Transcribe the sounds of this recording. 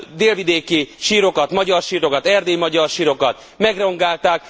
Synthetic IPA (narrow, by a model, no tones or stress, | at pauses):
d̪eːlvid̪eːkiʃiːɾo̞kɒt̪mɒɟɒrʃiːɾo̞kɒt̪ɛrd̪eːjmɒɟɒrʃiːɾo̞kɒt̪ | mɛɡro̞ŋɡaːlt̪aːk